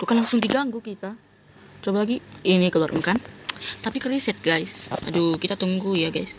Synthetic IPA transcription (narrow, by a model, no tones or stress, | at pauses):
k̪ukanlaŋsʊŋt̪iɡaŋɡukit̪a | t͡ʃobalaɡiinikəluarm̩əkant̪apikərisɛt̪̚ɡajsa̰dukit̪at̪əŋɡujaɡajs